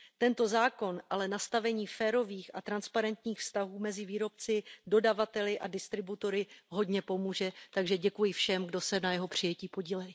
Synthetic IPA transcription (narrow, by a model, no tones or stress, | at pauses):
t̪ɛnt̪o̞zaːko̞nʔalɛnast̪avɛɲiːfɛːɾo̞viːxat̪ɾanspaɾɛnt̪ɲiːxfst̪aɦuːmɛzɪviːɾo̞p̚t͡sɪdo̞davat̪ɛlɪʔadɪst̪ɾɪbut̪o̞ɾɪɦo̞dɲɛpo̞muːʒɛt̪aɡʒɛɟɛkujɪfʃɛmɡdo̞sɛnajɛɦo̞pr̝̥ɪjɛciːpo̞ɟiːlɛjɪ